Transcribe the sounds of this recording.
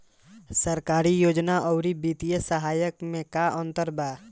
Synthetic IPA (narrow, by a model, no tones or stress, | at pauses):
səɾkaːɾijoːd͡ʒnaʔɔʊɾibiːt̪ijəsəɦaːjəkmẽkaʔɔ̃nt̪əɾbaː